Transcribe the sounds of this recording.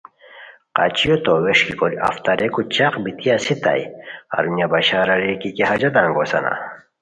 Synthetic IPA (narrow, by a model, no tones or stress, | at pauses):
qat͡ɕijot̪oweʂkikoɾia̰ft̪ɐɾʔekut͡ɕaqbit̪ijasit̪a̰ja̰ɾunjabɐɕaːɾɐɾekikeɦɐd͡ʑɐd̪aŋɡosɐ̰na̰